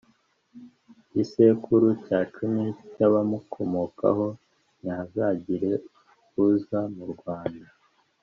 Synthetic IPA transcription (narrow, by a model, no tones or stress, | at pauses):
isekuɾucaːt͡ʃumicaβamukʰo̞moka̰ɦo̞ | nazaɟiɾe̞ | kuzamuɾɡwaːnda